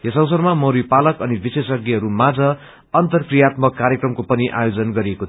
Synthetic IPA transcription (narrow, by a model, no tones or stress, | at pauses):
jesʌ̃wsʌrmamʌɾipalʌkʌnibisesʌɡiɦʌɾumad͡zʌː | nt̪ʌrkrijat̪mʌkːaɾjekrʌmkopʌniʔa̰jod͡zʌnɡʌɾieko